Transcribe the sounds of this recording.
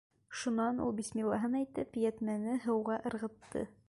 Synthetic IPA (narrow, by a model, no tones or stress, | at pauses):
ʃunɑnṵlˠbismilˠːɑɦɤnæjt̪ɘpjæt̪mænɘɦɤ̆wʁɑʔɤ̆ɾʁɤ̆t̪ːɤ̰